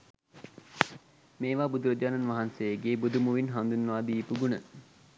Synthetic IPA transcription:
meːʋaːbud̪uɾəd͡ʒaːnanʋaɦansejəɡeːbud̪umuʋinɦand̪unːʋaːd̪iːpuɡunə

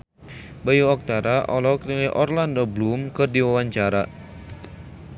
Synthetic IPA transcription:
bajuɔk̚t̪aɾaʔɔlɔkniliʔɔrlandoblumkɨrdiwawaɲt͡ʃaɾa

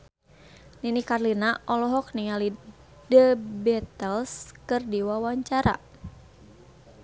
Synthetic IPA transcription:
ninikarlinaʔɔlɔɦɔk̚niŋali | dəbɛt̪əlskɨrdiwawaɲt͡ʃaɾa̰

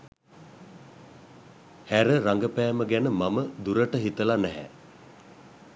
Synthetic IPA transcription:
hæɾəɾaŋɡəpæːməɡænəmaməd̪uɾəʈəɦit̪əlanɛɦɛ̰

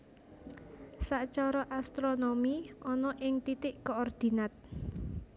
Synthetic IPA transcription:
saʔt͡ʃɔɾɔʔast̪ɾonomiɔnɔʔɪŋt̪it̪ɪʔkoɔrd̪̥i̤nat̪̚

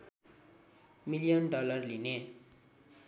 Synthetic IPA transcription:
milijʌnɖʌlʌrline

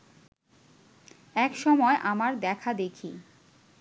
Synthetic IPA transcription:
ɛkʃɔmɔeʔamaɾd̪ɛkʰad̪ekʰi

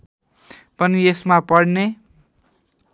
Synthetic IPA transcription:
pʌniesmapʌɽne

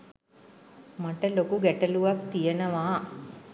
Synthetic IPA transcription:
mɐʈɐlokuɡɛʈɐluʋakt̪ijɐnɐʋaː

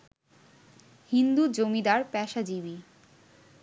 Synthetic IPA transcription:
hind̪ud͡ʑomid̪aɾpɛʃad͡ʑibi

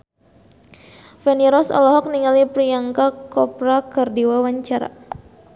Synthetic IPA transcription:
fɛniɾɔsɔ̰lɔɦɔk̚niŋalipɾiaŋkakɔpɾakərdiwawaɲt͡ʃaɾa̰

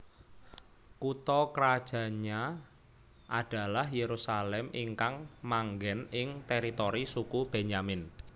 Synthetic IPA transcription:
kut̪ɔkəɾad̥ʒ̥a̤ɲa | ʔad̥a̤lahjeɾusalɛmiŋkaŋmaŋɡɛnɪŋt̪ɛɾit̪oɾisukub̥eɲamɪn

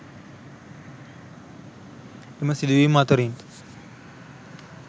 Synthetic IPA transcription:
eməsid̪uʋiːmat̪oɾint̪

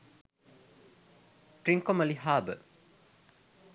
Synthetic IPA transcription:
ʈɾĩŋkoməliɦaːbə̰

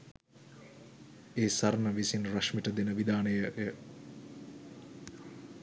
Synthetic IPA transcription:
eːsaɾnəʋisinrɐʃmiʈəd̪enəʋid̪aːnəjəjə

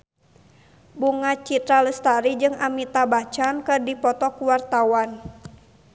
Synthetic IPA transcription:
buŋat͡ʃit̪ɾaləst̪aɾid͡ʒɨŋamit̪abat͡ʃankɨrdipɔt̪ɔkuwart̪awan

